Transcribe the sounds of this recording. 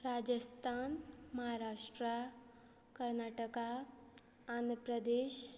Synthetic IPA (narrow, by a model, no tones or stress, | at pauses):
ɾad͡ʒəst̪ʰanməɦaɾaːʂʈɾa | kəɾnaːʈəka | and̪ɾəpɾəd̪eːʃ